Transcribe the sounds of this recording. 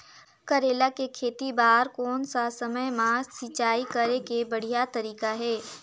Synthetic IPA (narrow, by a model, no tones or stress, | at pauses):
kɐɾeːlakekʰeːt̪ibaːɾkɔːnsasɐməjmãːsɪt͡ʃaːikəɾekebɐɽ̤ijat̪ɐɾiːkaɦɛː